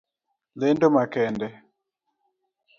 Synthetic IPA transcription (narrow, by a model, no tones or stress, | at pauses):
lendomakɛndɛ